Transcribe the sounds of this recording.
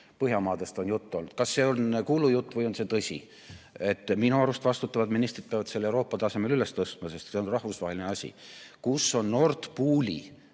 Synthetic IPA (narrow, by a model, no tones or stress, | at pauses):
pɤɦjɑmɑːd̪̥e̞st̪o̞njut̪ːo̞lnud̪̥kɑsːe̞onkuːlujut̪ːˑvɤjo̞nse̞t̪ɤsʲḭ | e̞t̪ːˑminuɑɾust̪vɑst̪ut̪ːˑɑvɑd̪minist̪rid̪̚peɑvɑd̪se̞lːewɾo̞ːpːˑɑt̪ɑse̞me̞lylest̪ɤst̪mɑse̞st̪seo̞nrɑhvusvɑɦe̞lineɑsʲḭkusːo̞nːo̞rt̪puːlʲḭ